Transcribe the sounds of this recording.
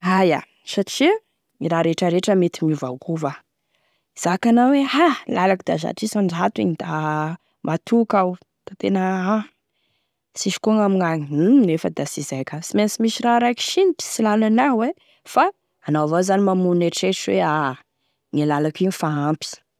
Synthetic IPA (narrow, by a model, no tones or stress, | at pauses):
aja̰ | saʈ͡ʂi | iɾaɾeʈ͡ʂəɾeʈ͡ʂəmet̪imiva̰wkuva | iz̥akanawehalalakid̪a̰za̰ʈ͡ʂisaɳɖ͡ʐat̪uḭɲid̪̥a | mat̪ʰukaw | t̪at̪enəa | siʃi̥kuaŋamiŋaɲinefəd̪asizajkasimensimiʃiɾaɾajki̥ʃinit̪i̥silalanawe | faː | naavazanimamuneʈ͡ʂeʈ͡ʂwea | ŋilalakinifaampi̥